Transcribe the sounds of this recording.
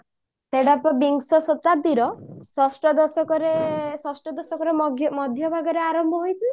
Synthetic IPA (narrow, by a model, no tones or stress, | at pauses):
seɽapɔbiŋɡsɔsɔt̪ad̪iɾɔsɔsʈɔd̪ɔsɔkɔɾesɔsʈɔd̪ɔsɔkɔɾemɔd̪ʱjɔbʱaɡɔɾeaɾɔmbʱɔɦojt̪i